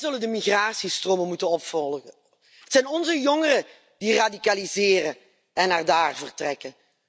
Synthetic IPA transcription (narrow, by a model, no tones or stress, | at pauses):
zɵləndəmiɣraːsistroːməmutənɔpfɔlˠə | ətsɛjnɔnzəjɔŋərə | d̥iradikalizɪːrə | ɛnaːrdaːrvərtrɛkə